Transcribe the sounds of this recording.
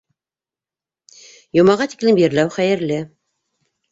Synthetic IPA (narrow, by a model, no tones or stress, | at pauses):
jŏmɑʁɑt̪iklɘmjɘ̆ɾlæwχæjɘ̆ɾlɘ